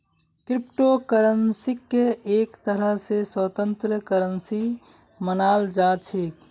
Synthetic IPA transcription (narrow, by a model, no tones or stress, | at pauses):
kɾipʈokəɾənsikːeekt̪əɾəɦseswət̪ənt̪ɾəkəɾənsi | mənald͡ʒat͡ʃʰik